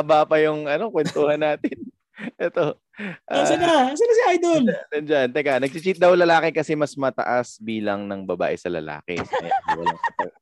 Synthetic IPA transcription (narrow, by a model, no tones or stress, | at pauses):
ʔɐbaːpɐjʊŋɐno̞kwɛnt̪uːhɐnːaːt̪ɪn | ʔɛt̪o̞ | ʔasɐnasɐnasɪʔajd̪olɐnd͡ʒant̪ɛkanɐɡ̚t͡ʃɪt͡ʃit̪̚d̪ɐwlɐlaːkɛkɐsɛmɐsmɐt̪ɐ̰ʔasbiːlɐŋnɐŋbɐba̰ːʔɛsɐlɐ̰la̰ːkɪ̰ɐ̰janwɐ̰laŋɐt̪o